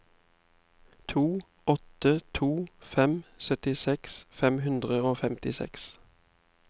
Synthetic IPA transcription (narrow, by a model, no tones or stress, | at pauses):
t̪ʰuː | ɔt̪ət̪ʰuːfɛmsœt̪ɪsɛksfɛmhʉnd̪ʁəoːfɛmt̪ɪsɛ̰ks